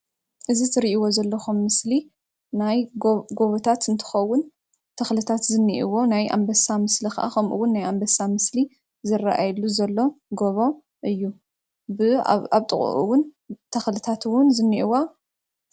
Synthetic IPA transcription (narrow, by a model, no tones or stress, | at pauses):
ʔɨzizɨɾiʔiwo̞zɐlːɐxumːɨsli | najɡo̞βot̪ʰat̪ɨnt̪ʰɨ̥xɐwːʊn | t̪ʰɐxlɨt̪ʰat̪zɨnːiʔiwo̞najʔa̰mbɐsamɨslixɐʔa̰xɐmʔṵwʊnːajambɐsamɨsli | zɨrːaʔajluzɐlːo̞ɡo̞βo̞ | ʔɨjːu | bɨaβt̪ʼɨχʼṵʔṵwʊn | t̪ʰɐxlɨt̪ʰat̪ɨwʊnzɨnːiʔiwa